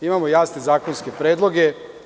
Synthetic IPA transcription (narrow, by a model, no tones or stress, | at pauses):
imamojaːsne̞zaːkonskepɾeːd̪lˠo̞ɡe